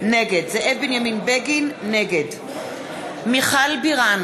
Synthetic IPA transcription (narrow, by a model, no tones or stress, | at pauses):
neɡedzeʔevbenjaminbeɡinːeɡed | miχalbiʁan